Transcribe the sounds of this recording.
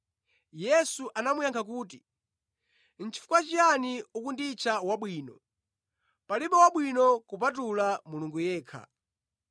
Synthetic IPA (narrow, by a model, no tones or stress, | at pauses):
jɛsuʔanamujaŋkʰakuːti | n̩t͡ʃʰi̥fukwat͡ʃianiukundit͡ʃʰawaɓwiːnɔ | paliɓɔwaɓwinɔkup̬at̬ulamuluŋɡujɛːkʰa̰